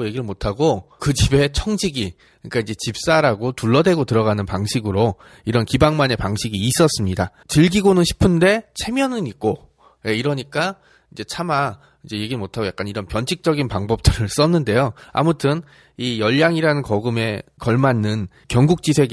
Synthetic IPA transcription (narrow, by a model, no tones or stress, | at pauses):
oje̞ɡiɾɯɭmotʰaɡokɯd͡ʑibe̞t͡ɕʰʌŋd͡ʑʰiɡi | ɲik͈aind͡ʑe̞t͡ɕip̚s͈aɾaɡotuɭːʌdwe̞ɡotɯɾʌɣanɯnpaŋɕʰiɡɯɾo | iɾʌnkibaŋmane̞paŋɕʰiɡiːs͈ʌs͈ɯmɲida | t͡ɕɯɭɡiɡonɯnɕʰi̥pʰɯnde̞t͡ɕʰe̞mjʌnɯnik̚k͈o | je̞iɾʌɲik͈a | id͡ʑe̞t͡ɕʰama | id͡ʑe̞je̞ɡiɾɯɭmotʰaɡojak͈aniɾʌnpjʌnt͡ɕʰik̚t͡ɕ͈ʌɡinpaŋbʌp̚t͈ɯɾɯɭs͈ʌnːɯnde̞joa̰mutʰɯn | ijʌʎːaŋiɾanɯnkʌɡɯme̞kʌɭmanːɯn | kjʌŋɡuk̚t͡ɕ͈isʰe̞ɡ